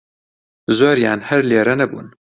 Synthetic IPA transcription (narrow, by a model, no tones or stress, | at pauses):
zoɾja̰ːnhɛɾleːɾɛnɛbṵːn